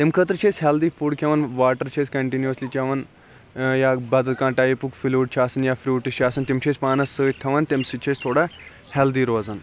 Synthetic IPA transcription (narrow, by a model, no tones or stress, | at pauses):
t̪emkʰət̪ɾt͡ʃʰeːsɦɛld̪iːfuːɽkʰeʋanʋaːʈəɾt͡ʃʰeskɐɳʈinjuəslit͡ʃɐʋan | jabɐd̪əkãːʈajipukfiluːʈ̚t͡ʃʰaːsɐnjafɾʲuːʈʃaːsɐnt̪emt͡ʃʰeːspaːnɐsːəːt̪ʰɐʋant̪emsɨt͡ʃʰest̪ʰoːɽa | hɛld̪iːɾoːd͡zan